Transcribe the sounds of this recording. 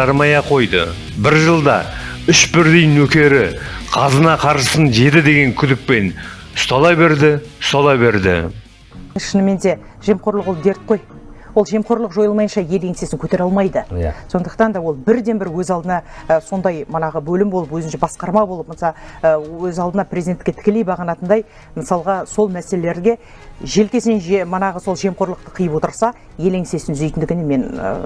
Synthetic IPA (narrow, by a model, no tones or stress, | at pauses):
ɑɾmɑjɑqʰo̞jd̪ə̰ | bɪɾʒəlˠd̪ɑ̰ | ʏʃbɪɾd̪ijnɵkʲe̞ɾɪqʰɑzənɑqʰɑɾʃəsənʒe̞d̪ɪd̪e̞ɡʲe̞ŋkʲʰʏd̪ɪk̚pe̞n | ʊst̪ɑlˠɑjbe̞ɾd̪ɪst̪ɑlˠɑbe̞ɾd̪ɪ̰ | ʃənəme̞nd̪e̞ | ʒ̥e̞mqo̞ɾlˠəqwolˠd̪e̞ɾt̪̚qʰo̞j | wo̞lˠʒe̞mqʰo̞ɾlˠəqʒo̞jəlˠmɑjənʃɑje̞le̞ŋse̞sɪŋkʲʰɵt̪e̞ɾɑlˠmɑjd̪əso̞nd̪əqt̪ɑnd̪ɑwo̞lˠbɪɾd̪e̞nbɪɾwɵzɑlˠd̪ənɑso̞nd̪ɑjmənɑʁəbɵlɪmbo̞lˠəpwɵzɪnʃebɑsqɑɾmɑbo̞lˠəp̚mənsɑwɵzɑlˠd̪ənɑprʲezid̪ent̪ɪkʲet̪ʰkʲelejbɑʁɑnɑt̪ənd̪ɑj | məsɑlˠʁɑso̞lˠmæselele̞ɾɡʲe̞ | ʒe̞lkʲe̞sɪnenʒmənɑʁəso̞lˠʒe̞mqo̞ɾlˠəq̚t̪əqʰəjəpwo̞t̪əɾsɑ | je̞leŋse̞sɪnʏze̞jt̪ɪnd̪ɪɡʲɪneme̞n̰